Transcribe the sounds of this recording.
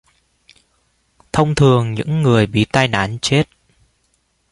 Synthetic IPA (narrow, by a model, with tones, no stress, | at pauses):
t̪ʰə˧wŋ͡mt̪ʰɨ˨˩əŋɲɨ̰˧˥ŋːɨ˨˩əjɓḭ˧˨t̪aː˧jna̰ː˧˥nt͡ɕe˦˥t̚